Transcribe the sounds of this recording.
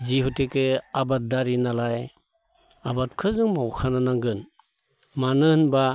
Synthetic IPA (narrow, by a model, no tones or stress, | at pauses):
ziɦutekeabat̚daɾinalaj | abat̚kʰɯzɯŋmawkʰananaŋɡɯn | manɯnba